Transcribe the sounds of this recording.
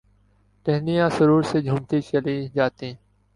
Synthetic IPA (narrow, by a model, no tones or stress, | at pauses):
ʈeɦnijãːsəɾuːɾseːd͡ʒʱuːmt̪iːt͡ʃəliːd͡ʒaːt̪ĩ